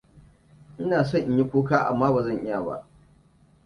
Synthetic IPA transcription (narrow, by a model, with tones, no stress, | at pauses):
ʔɪ˦naː˨s̬ɔ˦˨ɲʔɪ˦ji˦kʷoː˦kaː˦ʔa̰˨mːaː˦baː˨zɐ˦˨ʔɪ˦ja˨ba̰˦ʔ